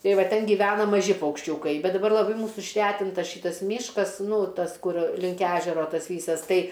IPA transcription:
ˈtɐɪ ˈʋɐ ˈtʲɛn ɡʲɪˈʋʲæːnɐ mɐˈʒʲɪ pɐʊkʃʲˈt͡ʃʲuːkɐɪ ˈbʲɛt dɐˈbɐr lˠɐˈbɐɪ ˈmuːsʊ ɪʃʲˈrʲæːtʲɪntɐ ˈʃʲɪtɐs ˈmʲiːʃkɐs ˈnuː ˈtɐs ˈkʊr ˈlʲɪŋk ˈæːʒʲɛroː ˈtɐs ˈʋʲiːsɐs ˈtɐɪ

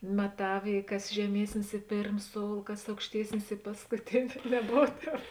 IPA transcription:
mɐˈtɐw ɪ ˈkɐs ʒʲɛˈmʲiɛsʲnʲɪs ɪ ˈpʲeːrm ˈsoːʊlˠ ˈkɐs ɐʊkʃʲˈtʲiɛsʲnʲɪs ɪ pɐskʊˈtʲɪnʲɪ nʲɛˈboːw ˈtʲɛːp

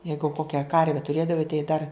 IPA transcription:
ˈjɛɪɡʊ ˈkoːkʲɛ ˈkɐrʲʋʲɛ tʊˈrʲeːdɐʋɐɪ tɐɪ dɐr

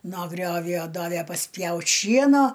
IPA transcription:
noː ˈɡrʲoːwjoː ˈdɑːʋʲæ pɐsʲˈpʲjɛʊtʲ ˈʃʲiɛnoː

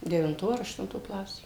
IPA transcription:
dʲɛʋʲɪnˈtoː ɐr ɐʃtʊnˈtoː ˈklˠɑːsʲeː

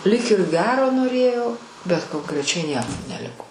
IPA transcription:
lʲiːk ɪr ˈɡʲæːroː noːˈrʲeːjoː bʲɛt koːŋkrʲɛˈt͡ʃʲɛɪ ˈnʲiɛkoː nʲɛˈlʲɪkoː

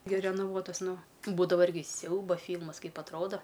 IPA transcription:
ɡʲɪ rʲɛnɐˈʋuɔtɐs ˈnʊ ˈbuːdɐʋɐ ˈɪrʲɡʲɪ ˈsʲɛʊbɐ ˈfʲiːlˠmɐs ˈkɐɪp ɐtˈroːdɐ

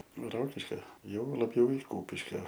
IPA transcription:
ˈroːkʲɪʃʲkʲoː jɛʊ lˠɐˈbʲjɛʊ ɪ ˈkuːpʲɪʃʲkʲoː

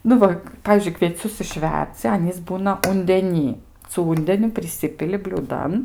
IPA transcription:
ˈnʊ ʋɐ ˈpɑːʋʲiːzʲd͡ʒʲʊɪ kʋʲiɛˈt͡sʲʊs ɪʃʲˈʋʲɛrʲd͡zʲɪ ˈɑːnʲiːs ˈbuːnɐ ʊnʲdʲɛˈnʲiː sʊ ˈuːnʲdʲɛnʲʊ pʲrʲɪˈsʲɪpʲɪlʲɪ bʲlʲuːˈdɐn

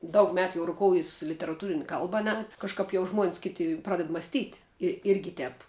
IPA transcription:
ˈdɐʊk ˈmʲæːtʊ ˈjɛʊ rʊˈkoːʊjɪs lʲɪtʲɛrɐˈtuːrʲɪnʲ ˈkɐlˠbɐ ɐ ˈnʲɛ kɐʃˈkɐp jɛʊ ʒmuɔnʲsʲ ˈkʲɪtʲɪ ˈprɑːdʲɛt mɐsʲˈtʲiːtʲ ɪ ˈɪrʲɡʲɪ ˈtʲɛːp

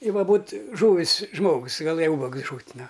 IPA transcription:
ɪ ˈʋɐ ˈbuːt ˈʒuːʋʲɪs ˈʒmoːɡʊs ɡɐˈlˠɘjɛ ˈʊbɐɡʊs ˈʒʊtʲ ˈnʊ

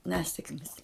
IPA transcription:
ˈnʲæːsʲɛkmʲɪs

